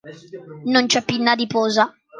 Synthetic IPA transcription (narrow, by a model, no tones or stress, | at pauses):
nont͡ʃɛpːinːad̪ipɔːza